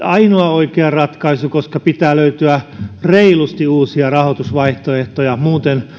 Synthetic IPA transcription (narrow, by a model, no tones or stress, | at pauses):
ɑinoɑoikeɑrɑt̪kɑisukoskɑpit̪æːløyt̪yæreilust̪iuːsiɑrɑhot̪usʋɑiht̪oeht̪ojɑmuːt̪en